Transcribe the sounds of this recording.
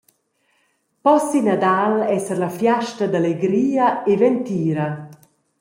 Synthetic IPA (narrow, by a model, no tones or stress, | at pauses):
pɔsinad̪alɛsɛɾlafjaʃtad̪aleɡɾiːaevɛnt̪iːɾa